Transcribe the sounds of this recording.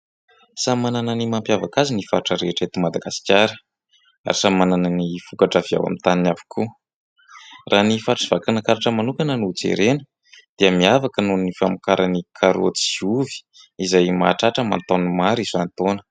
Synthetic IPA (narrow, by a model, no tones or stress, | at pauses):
samanananimampjavakazinifaɾʈ͡ʂəɾeʈ͡ʂet̪umad̪aɡ̥asi̥kʲaɾə | a̰ɾisamanananifukaʈ͡ʂavia̰wa̰mint̪aninavi̥kʰu | ranifaʈ͡ʂiv̥akanakaɾaʈ͡ʂəmanukanənut͡sḛɾenə | d̪̥iəmiavakənunifamikaɾʔanikʰaɾo̰t͡si̥iuvi̥ | izajma̰ʈ͡ʂaʈ͡ʂəma̰nt̪animaɾizant̪onə̥